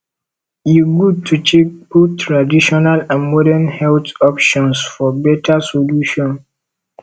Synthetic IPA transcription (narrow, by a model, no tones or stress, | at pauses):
juɡud̚tʰut͡ʃek̚putːɹadiʃɔnalãnmɔɾɛnhɛltɔpʃɔ̃nsfɔbɛtʰasoluʃɔ̃n